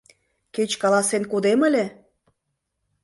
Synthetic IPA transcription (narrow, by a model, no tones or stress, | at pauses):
ket͡ɕkɑlɑsenkud̪eməlʲe